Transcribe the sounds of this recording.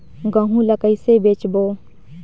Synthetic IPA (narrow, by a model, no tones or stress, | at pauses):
ɡəɦũləkəisebeːt͡ʃboː